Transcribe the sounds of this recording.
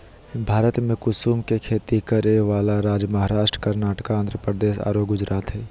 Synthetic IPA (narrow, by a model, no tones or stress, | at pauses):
bʱaːɾət̪mẽkʊsuːmkekʰeːt̪ikəɾeʋaːlaɾaːd͡ʒmɐɦaːɾaːʃʈɾəkɐɾnaːʈkaãnd̪ɾəpɾəd̪eːʃa̰ːɾoːkɡʊd͡ʒɾaːt̪ɦɛː